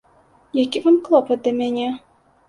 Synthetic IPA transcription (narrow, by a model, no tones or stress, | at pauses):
jakʲivamklˠɔpɐt̪̚d̪ɐmʲanʲɛ